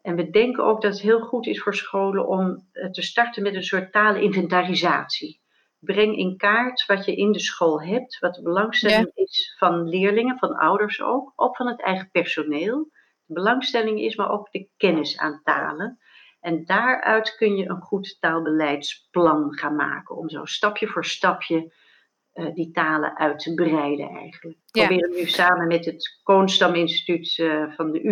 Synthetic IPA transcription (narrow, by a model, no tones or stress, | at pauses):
ʔɛnʋədɛŋkəno̰wk̚dɑtətɦɪːlˠχutɪsfoːɹsχowlə̰nʔɔmtəstɑɹtənmɛtənsʊːɹtaːləʔɪnvɛntarizaːtsi | brɛŋɪ̰nkaːɹtʋɑtjəʔɪndəsχoːlˠɦɛp̚tʋɑt̚dəbəlɑŋstɛlɪŋɪsfɑnlɪːɹlɪŋəvɑnʌ̰wdəɹso̰wkɔkfɑnɦətɛ̰jχəpɛɹsoneːlˠ | d̥əbəlɑŋstɛlɪŋɪ̰smaːɹʔowkd̥əkɛnɪsa̰ːnta̰ːlən | ɛndaːɹœɥtkɵnjəʔənχuttaːlˠbəlɛjtsplɑnχaːnma̰ːkənɔ̰mzo̰wstɑpjəvʊːɹstɑpʰjə | ditaːlə̰ʔœɥtəbrɛjdə̰ɛ̰jχənlək̚pobɪːrəʋənysaːmənmɛtɦətkonstɑmɪnsti̥tytvɑndəʔy